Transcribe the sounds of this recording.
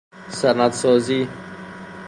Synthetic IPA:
sɐɾnat̪sɔːzi

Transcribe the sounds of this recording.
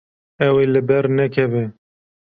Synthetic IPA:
ɛwelɨbɛɾnɛkʰɛve

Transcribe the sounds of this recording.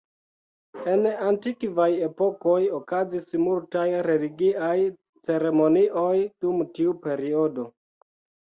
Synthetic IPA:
e̞nantikvaje̞po̞ko̞jokazismultajɾe̞liɡiʔaj | t͡se̞ɾe̞mo̞niʔojd̥umtiupe̞ɾiodo̞

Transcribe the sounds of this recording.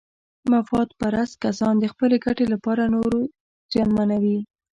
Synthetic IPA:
mafɑt̪̚paɾast̪̚kasɑnd̪əxpəleɡaʈelapɑɾanoɾo | z̥jɑnmanawi

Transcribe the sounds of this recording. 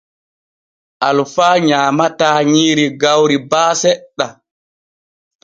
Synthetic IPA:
ʔalfaːɲaːmataːɲiːɾiɡawɾibaːsɛɗːa

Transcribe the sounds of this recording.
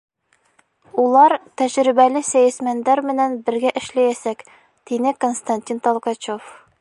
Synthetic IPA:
ulˠɑɾt̪æʑɾibælɘsæjæsmænd̪æɾmɘ̆nænbɘ̆ɾɡæʔɘ̆ʃlæjæsæk | t̪inɘkonst̪anʲtʲint̪olˠkɑt͡ɕof

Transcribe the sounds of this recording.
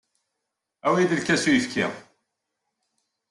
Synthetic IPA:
æwid̪əlkæsujəfkʰḭʁ

